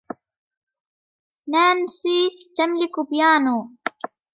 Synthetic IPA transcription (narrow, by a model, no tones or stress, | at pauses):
naːnsitɐmlikubjaːno